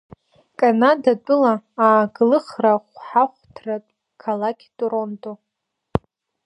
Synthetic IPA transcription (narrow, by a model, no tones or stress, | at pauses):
kʼanadatʼʊlaːɡlɨχraχʷħaχʷtʰratʼ | kʰalakʲʰtʼuɾontʼo